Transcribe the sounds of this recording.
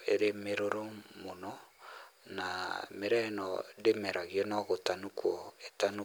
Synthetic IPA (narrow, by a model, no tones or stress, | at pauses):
ḛɾemeɾoɾomonɔ | nameɾɛnɔ̰demɛɾaɣiɔnɔɣotanukwɔetanu